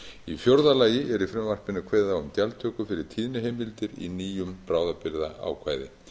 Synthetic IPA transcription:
ifjowɾðalaːjɪʔɛɾifɾɛmvar̥pɪnːʏkʰvɛːðaʏmcalt̪ʰœːkʏfɪɾɪɾ̥t̪ʰiːðnɪɦejmɪlt̪ɪɾḭniːjʏmpɾaːwðapɪɾðaʔa̰ːwkʰvaːjðɪ

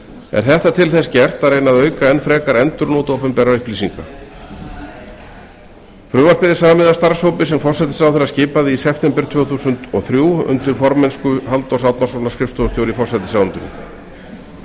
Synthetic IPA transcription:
ɛ̰ɾ̥θɛht̪at̪ʰɪlθɛscɛr̥t̪areːjnaðœːɥkaɛnːfɾɛːkaɾɛnt̪ʏɾnoːt̪oːpɛmpɛɾaʏhpliːsiŋka | fɾʏːmaspɪðɪsaːmamɪðast̪aɾ̥showpɪs̬ɛmfɔrsɛt̪ɪ̥sawθɛɾːascɪːpaðɪisɛft̪ɛmpɛɾ̥t̪ʰvɛːθuːsʏnt̪ɔ̰θɾjuːʏ̰nt̪ɪɾ̥fɔɾmɛnskʏhalt̪ɔwsawt̪nasownaskɾɪft̪ost̪joːwɾifɔr̥sɛt̪ɪsawʏnt̪ʏm

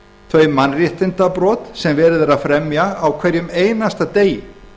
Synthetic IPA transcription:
θʰvœɥjmanrjɪht̪ɪnt̪apɾɔːt̪sɛmvɛːɾɪðɪɾaðfɾɛmjaːwkʰvɛɾjʏmeːjnast̪at̪eːjɪ

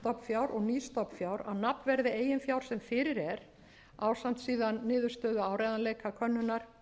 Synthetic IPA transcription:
t̪ɔpfjawɾʔɔɣniːst̪ɔpfjaːwɾa̰wnapnvɛɾðɪeːjɪnfjaːwɾ̥sɛmfɪːɾɪɾɛɾ | aːwsam̥t̪siːðanːɪːðʏɾ̥st̪œːðʏaːwɾajðanleːjkakʰœnːʏnaɾ̥

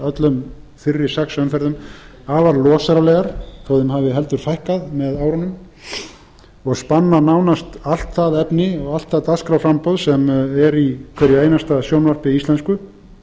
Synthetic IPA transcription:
œt̪lʏmfɪrːɪ̥sɛksœnfɛɾðʏm | aːvaɾlɔːsaɾalɛːɣaɾ̥θʰɔwðɪmhavɪɦɛlt̪ʏɾ̥fajhkaðmɛðaːwɾanʏm | ɔɣspanːanaːwnast̪al̥t̪θaðɛpnɪɔɣal̥t̪θaðt̪askɾawfɾampowðsɛmɛɾikʰvɛɾjɪeːjnast̪asjownvar̥pɪist̪lɛnskʏ

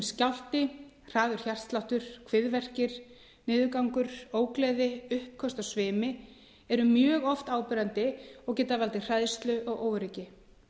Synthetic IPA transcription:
scawl̥t̪ɪ | r̥aːðʏɾ̥çar̥st̪lawht̪ʏɾ̥kʰvɪðvɛr̥cɪɾ̥ | nɪːðʏkawŋkʏɾ̥oːwklɛːðɪʏhp̚kʰœst̪asvɪːmɪ | ɛɾʏmjœːɣɔft̪aːwpɪɾant̪ɪɔɣcɛːt̪avalt̪ɪr̥ajðst̪lʏʔɔɣʔoːwɾɪcɪ

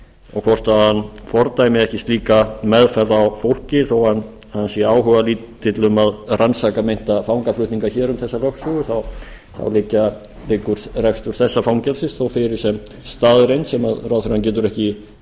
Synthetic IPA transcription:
ɔɣkʰvɔr̥t̪ahanːfɔɾt̪ajmɪðɛhcɪst̪liːkamɛðfɛlawfowl̥cɪθowhan | ansiaːwɦœvaliːt̪ːɪt̪lʏmaðransakamejn̥t̪afawŋkaflʏht̪niŋkaçɛːɾʏmθɛsːalœhksɔɣʏθaw | θa̰wlɪːcːa | lɪkːʏɾ̥rɛfst̪ʏɾ̥θɛsːafawŋcɛlsɪnsθowfɪɾɪɾ̥sɛm | st̪aːðɾejnsɛmaðrawθɪɾhanc̬ɛːt̪̬ʏɾɛhcɪ

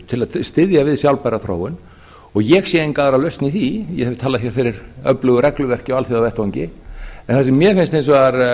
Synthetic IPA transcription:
t̪ʰɪlaðst̪ɪðjavɪðsjawlpajɾaθɾo̰ːwʏn | ɔɣjɛɣsjɛɪnkaːðɾalœɥst̪niθijɛ̰ɣhɛv̥t̪ʰaːaðçjɛɾ̥fɪɾɪɾœplʏɣʏɾɛklʏvɛr̥cɪɔalθiðawvɛht̪vawɲcɪɛnθasɛmːjɛfɪnst̪ejnsɔaɾ

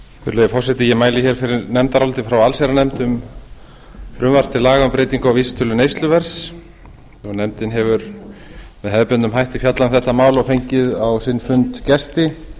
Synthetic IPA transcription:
fɪ̰ɾlejafɔrsɛht̪ɪjɛmaːjlɪçɛɾ̥fɪɾɪɾnɛmt̪aɾawlt̪ɪfɾawalsɛɾanɛmt̪ʏm | fɾʏmvar̥t̪ɪlaːɣaʏmpɾeːjt̪iŋkawviːsɪ̥t̪ʰʏlʏnejst̪lʏvɛɾ̥s | ɔɣnɛmt̪ɪnɦɛvʏɾ | mɛðɦɛðpʏnt̪ʏmɦajht̪ɪfjat̪lanθɛht̪amaːwlɔfejɲcɪðawsɪnfʏnt̪cɛst̪ɪ

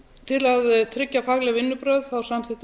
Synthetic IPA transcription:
t̪ʰɪlaðt̪ʰɾɪcːafaɣlɛɣvɪnːʏpɾœːðθawsamθɪt̪

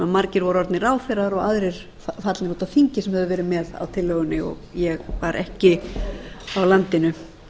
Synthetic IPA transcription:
amaɾcɪɾvɔɾɔɾt̪nɪraːwfɛɾaɾɔɣaðɾɪɾ̥ | ffat̪lɪɾot̪afiɲcɪsɛmhɛðʏvɛːɾɪmɛða̰wt̪ʰɪlːœːɣʏnːɪɔ̰ɣjɛɣvaɾʔɛhcɪ | awlant̪ɪnʏ

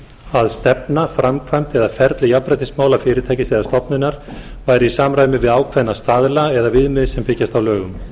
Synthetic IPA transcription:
aðst̪ɛpnafɾamkʰvajmt̪ɛðafɛɾt̪lɪjapɾat̪ɪsmaːwlafɪːɾɪɾt̪ʰɛːjcɪsɪðast̪ɔpnɪnːaɾ̥vaːjɾɪisaːmɾaːjmɪvɪðaːwkʰvɛnːast̪aːðlaɛðavɪðmɪðsɛmpɪcast̪awlœːɣʏm

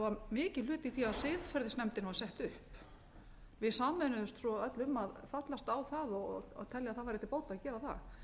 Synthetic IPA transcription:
vaɾmɪːcɪlʏːt̪iθiaðsɪðfɛɾðɪsnɛmt̪ɪnasɛht̪ʏhp | vɪðsaːmːɛnʏðʏst̪sɔœt̪lʏmːaðfat̪last̪awθaðɔt̪ʰɛljaðθaðvaɾɪɛt̪ɪpoːwt̪aaðcɛːɾaθa̰ɣ

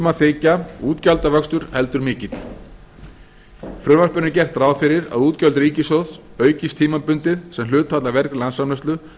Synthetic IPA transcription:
maθeːjcauːt̪calt̪avœkst̪ʏɾ̥hɛl̪t̪ʏɾmɪːcɪt̪l̥ | fɾʏvar̥pʏnɪcɛr̥t̪ɾaːwfɪɾɪɾa̰ðuːt̪cœlt̪ɾiːcɪsowθ | œːɥcist̪ʰiːmapʏnt̪ɪðsɛmlʏːt̪ʰːaːt̪lavɛɾklansamlɛst̪lʏ

